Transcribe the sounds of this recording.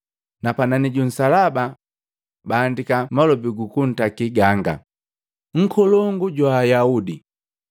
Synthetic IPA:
napananiɟun̩salaba | baːndikamalɔbiɡukun̩takiɡaŋɡa̰ | ŋ̩kʰɔlɔŋɡuɟwaːjaudi

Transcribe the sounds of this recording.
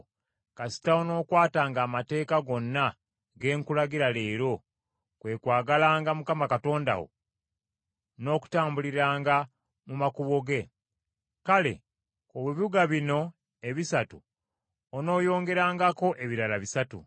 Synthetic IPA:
kasi̥taono̞ːkwaːtaːŋɡaːmate̞ːkaɡo̞nːa | ɡe̞ːŋkulaɡiɾale̞ːɾo̞ | kwe̞ːkwaːɡalaːŋɡamukamakato̞ːnda̰wo̞̰ | no̞ːku̥taːmbuliɾaːŋɡa | mumakuβo̞ɡe̞ | kale̞̰ | koβiβuɡaβino̞ | e̞βisatu | ono̞ːjo̞ːŋɡe̞ɾaːŋɡako̞ʔe̞βiɾalaβisatṵ

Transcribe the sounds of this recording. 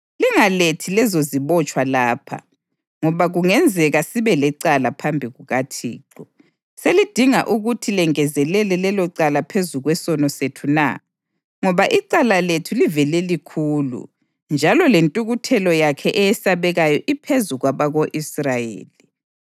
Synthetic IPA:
liŋaletʰilɛzoziβɔt͡ʃʼwalaːpʰa̰ | ŋɔβaɣuŋɛnd͡zʱɛɣasiβɛlɛǀalapʰambʱiɣuɣatʰḭːǁɔ | selid̥ʱiŋa̰ʔuɣutʰilɛŋɛzɛlɛlɛlɛlɔǀalapʰezuɣwɛsɔnɔsetʰuna̰ | ŋɔβaʔiǀalaletʰulivɛlɛlikʰuːlṵ | nd͡ʒʱalɔlentʼuɣutʰɛlɔjakʰɛʔɛjɛsaβɛɣajɔʔipʰezuɣwaβaɣoʔisrajḛːli

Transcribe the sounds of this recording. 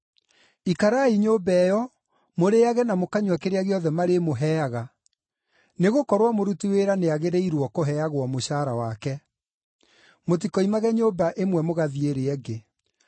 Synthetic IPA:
ikaɾaiɲobɛjɔ | moɾeaɣɛnamokaɲwakeɾeaɣeɔðɛmaɾemoɦɛaɣa | neɣokɔɾwamoɾutiweɾaneaɣeɾeiɾwɔkoɦɛaɣwɔmoɕaːɾawakɛ | mot̬ikɔimaɣɛɲoːbaʔemwɛmoɣaðieɾeɛɡe

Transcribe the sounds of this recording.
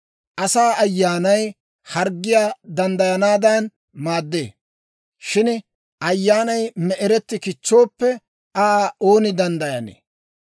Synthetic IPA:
ʔɐsaːɐjːaːnɐj | hɐɾɡːɪjaːd̪ɐnd̪ɐjɐnaːd̪ɐn | maːd̪ːḛː | ʃɪn | ʔɐjːaːnɐjmɛʔɛɾɛt̪ːɪkɪt͡ʃːo̞ːpːɛ | ʔaːo̞ːnɪd̪ɐnd̪ɐjɐnḛː

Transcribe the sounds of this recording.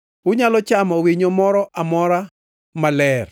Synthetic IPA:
ʊɲalɔt͡ʃamɔwiɲomɔɾɔʔamɔɾa | malɛr

